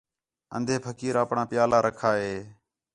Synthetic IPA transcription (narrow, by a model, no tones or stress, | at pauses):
ə̰nd̪ʱeːpʰəkiːɾəːpɳãːpɪjaːlaːɾəkʰaːɦeː